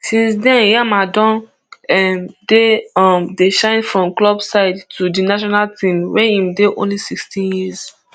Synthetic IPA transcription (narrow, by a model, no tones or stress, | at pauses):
sĩnsdɛ̃njamadɔ̃n | mdeɔmdeʃãɪ̃nfɹɔ̃mklɔbsaɪdtʰudinaʃ̬ɔnaltĩmwɛhĩmdeʔõ̰nlisikstĩnjiz